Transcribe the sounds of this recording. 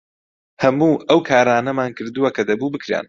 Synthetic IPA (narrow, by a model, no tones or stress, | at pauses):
hɐmuːʔɐwkʰaːɾaːnɐmaːnkɨɾd̪uwɐkɐd̪ɐbuːbɨkɾḛn